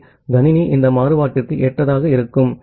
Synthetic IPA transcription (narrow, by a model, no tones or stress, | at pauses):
ɡ̪ɐnɪniʔɪnd̪ɐmaːɾɯʋaːʈːɪrkɯʔeːʈrɐðaːɣɐɪɾɯkːɯm